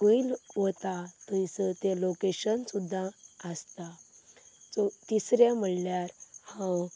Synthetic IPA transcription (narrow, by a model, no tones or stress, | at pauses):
kəilɦot̪at̪əjsət̪elokeɕənsud̪ʱːaəst̪a | t͡sot̪isɾam̤əɽljaɾhã